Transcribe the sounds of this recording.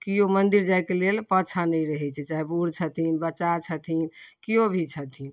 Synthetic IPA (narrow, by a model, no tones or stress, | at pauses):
kijomənd̪iɾd͡ʒaɪkelelpət͡ʃʰanəjɾəɦɛt͡ʃʰɛt͡ʃaɦibuɾt͡ʃʰət̪ʰinbəːʃat͡ʃʰət̪ʰinkijobʱit͡ʃʰət̪ʰin